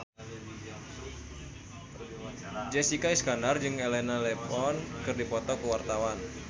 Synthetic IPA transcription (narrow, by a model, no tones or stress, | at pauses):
d͡ʒɛsikaiskanard͡ʒɨŋelɛnalɛpɔnkɨrdipɔt̪ɔkəwart̪awan